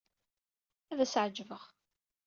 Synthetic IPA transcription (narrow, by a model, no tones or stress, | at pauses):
æðæsʕəd͡ʒvəʁ